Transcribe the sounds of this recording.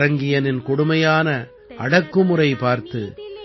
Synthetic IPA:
ɐŋɡɪjɐnɪnkɔɽɯmɐjaːnɐ | ʔɐɽɐkːɯmɯrɐɪpaːɾt̪ɯ

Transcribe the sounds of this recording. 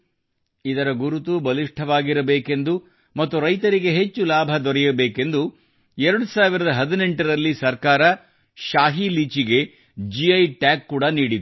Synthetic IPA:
id̪ɐɾɐɡuɾut̪ubɐliʂʈʰɐʋaːɡiɾɐbeːke̞nd̪u | mɐt̪ːuɾɐjt̪ɐɾiɡe̞ɦe̞t͡ʃːulaːbʱɐd̪ɔɾɛjɐbeːke̞nd̪u | ɛɾɐɽusaːʋiɾɐd̪ɐɦɐd̪ine̞ɳʈɐɾɐlːisɐɾkaːɾɐ | ʃaːɦiliːt͡ʃiɡe̞ | d͡ʒiɐjʈaːkːuːɽɐniːɽid̪u

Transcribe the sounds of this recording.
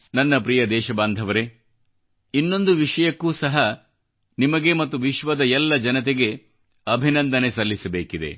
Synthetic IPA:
nɐnːɐpɾijɐd̪ɛːʃɐbaːnd̪ʱɐʋɐɾe̞ | inːo̞nd̪uʋiʂɐjɐkːuːsɐɦɐ | nimɐɡe̞mɐt̪ːuʋiʃʋɐd̪ɐjɛlːɐd͡ʒɐnɐt̪̬eɡe̞ | ɐbʱinɐnd̪ɐnesɐlːisɐbeːkid̪e̞̰

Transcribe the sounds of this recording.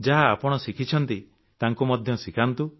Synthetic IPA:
d͡ʒaɦaːpɔɽ̃ɔsikʰit͡ʃʰɔnt̪i | t̪aŋkumɔd̪ʱjɔsikʰant̪u

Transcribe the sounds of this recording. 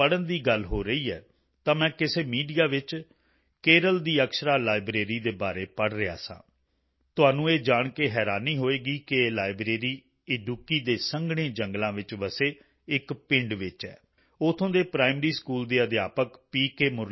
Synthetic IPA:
əɽənd̪iːɡəlɦoːɾəiːɛ̰ː | t̪ãːmɛ̃ːkɪseːmiːɖijaːʋɪt͡ʃ | keːɾəld̪iːəkʃɾaːlaːɪbɾeːɾiːd̪eːbaːɾeːpəɽɾɪa̰ːsã̰ː | t̪ʊɦaːnũːeːd͡ʒaːɳkeːɦɛːɾaːniːɦoːeːɡiːkɪːlaːɪbɾeːɾiː | ɪɖjuːkiːd̪eːsəŋɡɽ̃ẽːd͡ʒəŋɡlãːʋɪt͡ʃʋəseː | ɪkpɪ̃ɳɖʋɪt͡ʃɛ̰ː | ʊt̪ʰːõːd̪eːpɾaːɪmɾiːskuːld̪eːəd̪ɪjaːpəkpiːkeːmʊɾ

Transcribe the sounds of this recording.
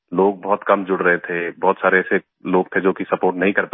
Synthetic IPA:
loːɡ̚bɔɦːt̪kɐmd͡ʒʊɽɾəɦet̪ʰebɔːt̪saːɾeɛse | loːɡ̚t̪ʰed͡ʒoːkisɐpoːɾʈnɐɦĩkɐɾpa

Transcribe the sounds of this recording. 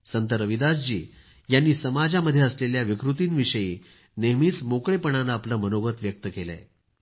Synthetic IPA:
sənt̪əɾəʋid̪asd͡ʑḭː | janːiːsəmad͡ʑaməd̪ʱːjeəsleljaʋikɾut̪iːnʋiʂəjiː | neɦmiːt͡smokɭepəɳ̃anaːpləmənoɡət̪ʋjək̚t̪əkelɛ̰

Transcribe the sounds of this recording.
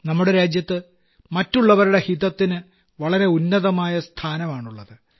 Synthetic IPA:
nɐmːuɽe̞ɾaːd͡ʑjɐt̪ːɨ | mɐtːuɭːɐʋɐɾuɽe̞hiðɐt̪ːinɨ | ʋɐɭɐɾe̞unːɐðɐmaːjɐst̪ʰaːnɐmaːɳuɭːɐðɨ

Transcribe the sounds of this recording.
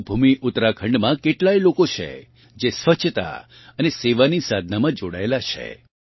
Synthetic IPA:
bʱumiʔʊt̪ɾakʰə̃ɳɖmãkeʈlajlokot͡ʃʰḛ | d͡ʒesʋət͡ʃʰt̪a̰ | əneseʋanisad̪ʱnamãd͡ʒoɽa̰elat͡ʃʰḛ

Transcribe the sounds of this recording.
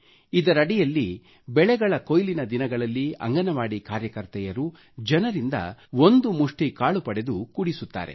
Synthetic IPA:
id̪ɐɾɐɽijɐlːi | bɛɭɛɡɐɭɐkojlinɐd̪inɐɡɐɭɐlːiɐ̰ŋɡɐnɐʋaːɽikaːɾjɐkɐɾt̪ɛjɐɾu | d͡ʒɐnɐɾind̪ɐ̰ond̪umuʂʈikaːɭupɐɽe̞d̪ukuɽisut̪ːa̰ːɾḛ

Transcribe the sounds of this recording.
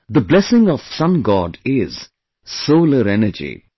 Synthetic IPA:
d̪əblɛsɪ̃ŋɔʋ̥sʌ̃nɡɔːɖɪz̥ | soːləɾɛnəd͡ʒḭ

